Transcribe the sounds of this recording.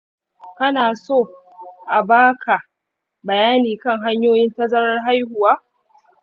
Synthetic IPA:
kɐ˦naː˨soː˦˨ | ʔa˨baː˦kʰa˨ | bɐ˨jaː˦niː˨kɐ˦ŋɦa˦ɲjoː˦jɪ˦ntɐ˦zɐ˦ɽɐ˦rɦa˦jhʊ˨waː˦

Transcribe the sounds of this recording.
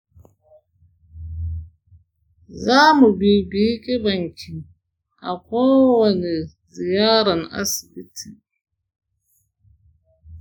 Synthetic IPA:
zaː˦mu˨bi˨bi˦kʼɪ˦ba˨ŋkʲʰi˨ | a˨kɔː˦wɐ˨ni˨ | zi˨jaː˦ɾa˨na̰˦si˨bi˦tʰi˨

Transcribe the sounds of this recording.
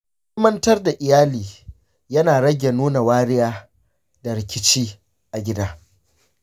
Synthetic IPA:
mɐ˦ntɐ˦rda˨ʔɪ˨jaː˦liː˨ | jɐ˦naː˨ɽɐ˦ɡʲe˨nuː˦na˨waː˦ɾɪ˦jaː˦ | dɐ˨ɾɪ˨kʲɪ˦t͡ʃiː˦ | ʔa˨ɡʲɪ˦daː˦

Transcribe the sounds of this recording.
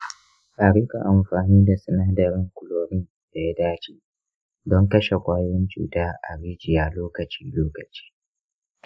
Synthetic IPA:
ʔaː˨ɽi˦ka̰˨ʔa˨mɸaː˨niː˦da˨sɐ˨naː˦dɐ˨ɾɪ˦ŋkʷʊ˦loː˨ɾɪ˦n | d̥a˨ja˦daː˦t͡ʃiː˦ | dɔ˦ŋkɐ˦ʃe˨kʷʼaː˦jwɪ˦nt͡ʃṵː˨taː˦ʔa̰˨ɾiː˦d͡ʒɪ˨jaː˦loː˦kɐ˨t͡ʃiː˦loː˦kɐ˨t͡ʃi̥ː˦

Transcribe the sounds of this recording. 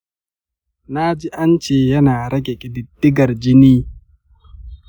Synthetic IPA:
na˦d͡ʒi˦ʔa˦nt͡ʃeː˦˨jɐ˦naː˨ɾɐ˦ɡʲe˨kʲʼɪ˨dɪ˨dːɪ˦ɡɐ˨rd͡ʒɪ˦niː˦

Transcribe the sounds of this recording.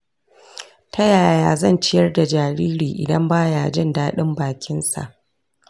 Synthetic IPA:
tʰɐ˦jaː˨jaː˦zɐ˦˨nt͡ʃɪ˦jɐ˦rda˨d͡ʒaː˨ɾiː˦ɾiː˨ʔɪ̰˨dɐ˦mbaː˦jaː˨d͡ʒɪ˦ndaː˦ɗɪ˦mbaː˨kʲɪ˦nsa̰˨ʔ

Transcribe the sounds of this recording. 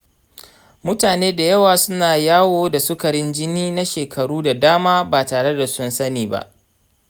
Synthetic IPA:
mʊ˦taː˨neː˦da˨jɐ˦waː˨sʊ˦naː˨jaː˦woː˦da˨sʊ˦kɐ˨ɽɪ˦nd͡ʒɪ˦niː˦na˦ʃeː˨kʰɐ˨ɽuː˦da˨daː˦maː˦baː˨taː˨ɽe˦da˨sʊ˦nsɐ˦niː˨ba̰˦ʔ

